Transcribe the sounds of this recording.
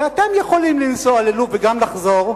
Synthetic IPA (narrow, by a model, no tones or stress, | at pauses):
at̪emjeχo̞limlinsoaleluveɡamlaχzo̞ʁ